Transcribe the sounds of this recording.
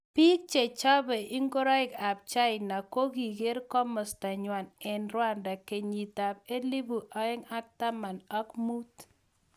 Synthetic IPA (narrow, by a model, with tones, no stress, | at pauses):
pi˦k̚t͡ʃe˨t͡ʃa˦bɛ˨ʔɪ˦ŋɡo˦ɾɔ˦ɪ˦˨ka˨p̚t͡ʃa˦ɪ˨na˨ko˦ɡi˨ɡe˦ɾkɔ˦mɔ˨sta˨ɲwa˨nɛ˨nɾwa˦˨nda˨ke˨ɲi˨ta˨p̚e˦li˦bu˨ʔa˦ɛ˦ŋa˦k̚ta˦ma˨nɔ˦kmu˦t